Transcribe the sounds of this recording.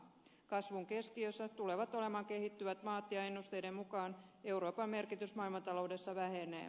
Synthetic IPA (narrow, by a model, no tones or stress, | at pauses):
kɑsʋuŋke̞skiøsːæt̪ule̞ʋɑt̪o̞le̞mɑːŋke̞hit̪ːyʋæt̪mɑːt̪jɑe̞nːust̪e̞jde̞mmukɑːne̞uɾo̞ːpɑmːe̞rkit̪ysmɑːilmɑnt̪ɑloude̞sːɑʋæɦenḛː